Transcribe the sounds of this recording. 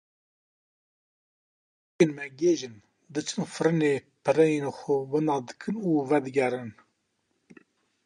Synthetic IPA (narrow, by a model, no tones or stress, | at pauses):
enmɛɡeːʒɨn | d̪ɨt͡ʃʰɨnfɨɾɨneːpʰɨɾɛjenxowɨnɑːd̪ɨkʰɨnuːvɛd̪ɨɡɛɾɨn